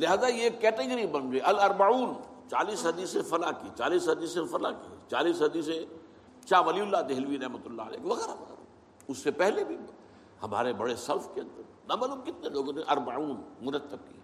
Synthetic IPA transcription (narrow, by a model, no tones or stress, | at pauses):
lɪɦaːzajekːɛːʈeɡəɾibɐ̃nd͡ʒeʔɐlɐɾbauːn | t͡ʃaːliːsɦɐd̪iːsẽfɐlakit͡ʃaːliːsɦɐd̪iːsẽfɐla̰kit͡ʃaːliːsɦɐd̪iːsẽ | t͡ʃaːʋɐliʊlːad̪eɦɪlʋiɾɐɦmət̪ʊlːaə̰lɛ̰ːkeʋɐɣɛːɾaʋɐɣɛ̰ːɾa | ʊsːepɛɦlebʱi | hɐma̰ːɾebɐɽesɐɾfkeɐ̃nd̪əɾ | nabɐlobkɪt̪neloːɡõneʔɐɾbaʕuːnmʊnət̪ːəb̚kia